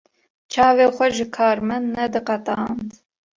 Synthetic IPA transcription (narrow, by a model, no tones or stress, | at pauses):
t͡ʃʰɑːveːχʷɐʒɨkʰɑːɾmɐnːɛd̪ɨqɑt̪ʼɑːnt̪